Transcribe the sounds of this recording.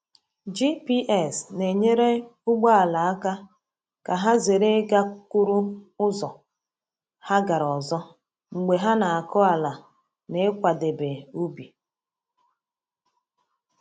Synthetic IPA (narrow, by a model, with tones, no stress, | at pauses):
d͡ʒi˦pi˦ʔɛ˦˨sne˨ɲe˦ɾe˦ʊ˦ɡ͡ba˦a˨la˨a˦ka˦ | ka˨ɦa˦ze˨ɾe˦ɡa˦ku˦ɾu˦ʊ˦zɔ˨ | ha˦ɡa˨ɾɔ˨zɔ˦ | ŋ͡m̩˨ɡ͡be˨ɦa˦na˨a˨kɔ˦a˨la˨ | ne˦kʷa˨de˨be˨u˦bi˨